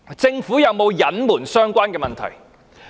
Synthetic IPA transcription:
t͡sɪ˧ŋfuː˨˥jɐ˨˧wmo˨˧wjɐ˨˥nmuː˨˩nsœː˥ŋkʷaː˥nkɛː˧mɐ˨nt̪ʰɐ̰˨˩j

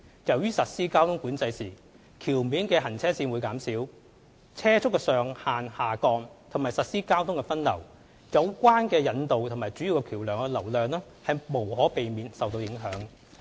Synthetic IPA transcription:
jɐ˨wjyː˥sɐ˨t̚siː˥kaː˥wt̪ʰʊ˥ŋkuː˨˥nt͡sɐ˧jsiː˨˩ | kʰiː˨˩wmiː˨˥nkɛː˧ɦɐ˨˩nt͡sʰɛː˥siː˧nwu˨˧jkaː˨˥msiː˨˥w | t͡sʰɛː˥t͡sʰʊ˥kːɛ˧sœː˨˩ŋhaː˨nhaː˨kɔː˧ŋt̪ʰʊ˨˩ŋmaː˨˩jsɐ˨t̚siː˥kaː˥wt̪ʰʊ˥ŋkɛ˧fɐ˥nlɐ̰˨˩w | jɐ˨˧wkʷaː˥nkɛː˧jɐ˨˧nt̪o˨wt̪ʰʊ˨˩ŋmaː˨jt͡ʃyː˨˥ji˨wkɛ˧kʰiː˨˩wlœː˨˩ŋkɛ˧lɐ˨˩wlœː˨˧ŋlɛː˥ | hɐ˨jmo˨˩whɔː˨˥pe˨jmiː˨˧nsɐ˨wt̪o˧wjɪ˨˧˥ŋɦœː˨˥ŋ

